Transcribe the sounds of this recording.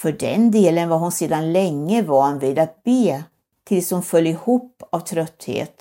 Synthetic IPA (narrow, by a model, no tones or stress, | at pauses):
fœɖɛnd̪eːlənvaɾɦʊnseːd̪anlɛŋːəvɑːnviːd̪at̪̚beː | t̪ʰɪlshʊnfœlːjɪhuːpːavt̪ʰɾœt̪ːhḛːt̪